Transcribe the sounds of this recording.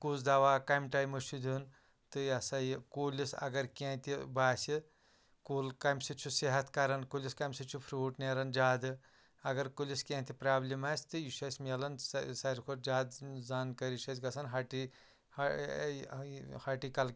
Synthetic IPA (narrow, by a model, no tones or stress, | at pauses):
kuzd̪aʋaːkɐjmʈaːjmɐʃʰud̪ʲun | t̪ɨɐsɐjkoːlisɐ̰ɡɐɾkʲãːt̪ʲibaːsʲi | kuːlkɐmsit͡ʃʰuseɦɐt̪ʰkɐɾɐnkoːlʲiskɐmʲsɨt͡ʃʰupʰɾuːʈneɾɐnd͡ʒaːd̪ɨ | ɐɡɐɾkulʲiskʲãːt̪ʰʲipɾaːblʲimaːsʲt̪ɨjiʃɐsʲmʲelɐnssɐɾikʰoɾd͡ʒaːd̪zaːnkɐɾiʃɐsʲɡɐsʰɐnɦaʈi | h | haʈikɐl